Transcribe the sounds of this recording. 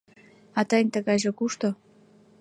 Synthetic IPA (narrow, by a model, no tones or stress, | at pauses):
ɑt̪ɑjnʲt̪əɣɑjʒekuʃt̪o